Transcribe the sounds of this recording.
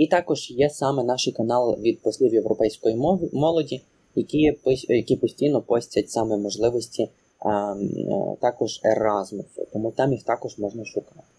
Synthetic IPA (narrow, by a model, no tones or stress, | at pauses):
it̪ɑkɔʒ̥jɛsɑmɛnɑʃikɐnɑlˠʋʲid̪̚pɔsʲlʲiwjewɾɔpɛjsʲkɔjimmɔlˠɔdʲi | jɐkʲipjɐkʲipɔsʲtʲijnɔpɔsʲtʲɐtʲsɑmɛmɔʒlˠɪʋɔsʲtʲi | t̪ɑkɔʒḛɾɑzmɪt͡sʲɛ̰t̪ɔmut̪ɑmjixt̪ɑkɔʒmɔʒnɐʃʊkɑt̪ɪ̥